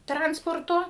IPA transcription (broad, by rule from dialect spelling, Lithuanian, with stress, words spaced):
ˈtrɐnspoːrtoː